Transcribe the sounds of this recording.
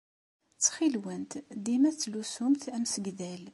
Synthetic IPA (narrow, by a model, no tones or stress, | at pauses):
t͡sːχilwənt̪d̪imæt͡sːlusumt̪æmsəɡðæl